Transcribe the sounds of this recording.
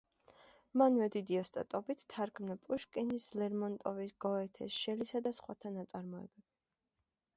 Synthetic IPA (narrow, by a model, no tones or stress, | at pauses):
manvɛd̪id̪iɔst̪ʼa̰t̪ʼɔbit̪ʰːaɾkʰmnapʼuʃkʼɛnislɛɾmɔnt̪ʼɔvisɡ̥ɔɛt̪ʰɛ̰sʃɛlisad̪asχwa̰t̪ʰanat̪sʼaɾmɔɛ̰bɛb̥i